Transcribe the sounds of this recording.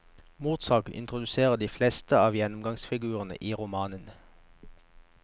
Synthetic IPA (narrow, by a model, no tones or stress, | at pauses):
muːt̪sɑːɡl̩ʔɪ̰nt̪ʁʊd̪ʉseːʁəd̪iːfleːst̪əɑːʋjɛnʊmɡɑŋsfɪɡʉːʁənə̰ʔiːʁʊmɑːnən